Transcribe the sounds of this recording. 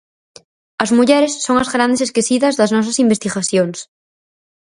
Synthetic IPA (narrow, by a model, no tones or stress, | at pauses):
ɐzmuʎeɾesːoŋazɣɾand̪eseskesiðazðaznɔs̬asimbest̪iɣaθjoŋs